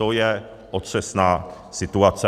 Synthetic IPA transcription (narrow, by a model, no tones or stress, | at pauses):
ojɛ | ʔot̪ʂɛsnaː | sɪt̪uat͡sɛ